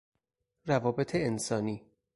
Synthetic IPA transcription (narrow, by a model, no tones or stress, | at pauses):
rævɒːbet̪ʰeːnsɒːniː